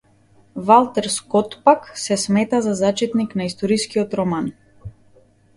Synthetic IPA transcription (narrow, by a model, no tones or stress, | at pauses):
valˠt̪ɛɾskɔt̪paksɛsmɛt̪azazat͡ʃɛt̪niknaist̪ɔɾiskiɔt̪ɾɔman